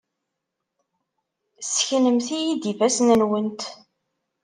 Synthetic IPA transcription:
sçnəmθijid̪ifæsnənwənt̪

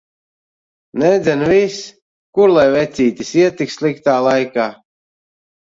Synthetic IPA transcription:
nɛd̪zʲɛnvis | kuɾlˠajvɛt̪siːt̪ʲisiɛt̪ikslˠikt̪aːlˠajkaː

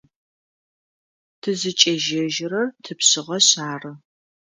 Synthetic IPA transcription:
tʰɨzɨt͡ʃʼeʒɐʒɪrɐrtʰɨpɕɪʁɐɕaːrɨ

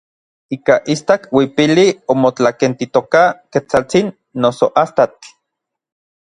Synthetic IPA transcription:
ikaʔist̪akwipiliomot͡ɬakent̪it̪okaket͡sat͡sinː | osoʔast̪at͡ɬ

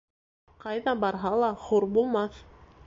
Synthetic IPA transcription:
qɑjðɑbɑɾɦɑlˠɑχuɾbulˠmɑθ

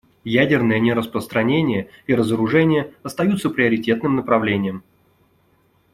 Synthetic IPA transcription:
jædʲɪrnəjənʲɪɾəspɾəst̪ɾɐnʲenʲɪjəiɾəzəɾʊʐɛnʲɪjəɐst̪ɐjut̪səpɾʲɪəɾʲɪtʲe̞t̪nɨmnəpɾɐvlʲenʲɪjəm

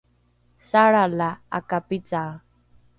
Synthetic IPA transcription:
saɾalaa̰kapital

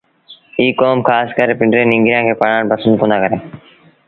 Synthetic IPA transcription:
iːkoːmkʰaːskəɾpɪ̃ɳɖɾẽːnɪŋɡɾɪjãːkʰeːpəɳãːɽpəsə̃nd̪̚pʊnãːkəɾẽː

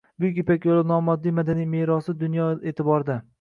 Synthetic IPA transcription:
bʊkʲepakʲjolˠɪnɒmɒd̪ːijmad̪anijmeɾɒsɪd̪ʊnjɒeːt̪ʰɪbɒɾd̪a

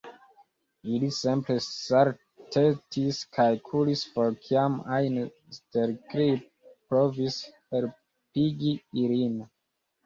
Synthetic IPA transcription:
ilisimplesaɾ | tʰetʰiskʰalkʰulisfoɾkʰiamajn | steɾkɾip̚pɾovishel | piɡiiɾin

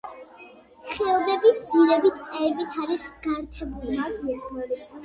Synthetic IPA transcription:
χɛlˠɔbɛbisd̪ziɾɛbit̪ʰʼɛɛbit̪ʰaɾisɡ̥aɾt̪ʰɛbuli

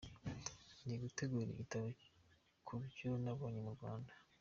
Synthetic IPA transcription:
niɡuteɡuɾḭʔitaβo | kʰubɟonaβoɲumuɾɡwa̰ːndḁ

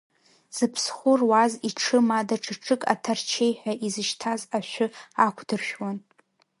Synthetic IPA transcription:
z̥ɨpʰsχʷʊrwaziʈ͡ʂʰɨmadaʈ͡ʂʰɨʈ͡ʂʰɨkʼa̰tʰart͡ʃʰejħʷᶣaʔizɨʃtʰazaʃʷᶣʊakʷʰdɨrʃᶣwan

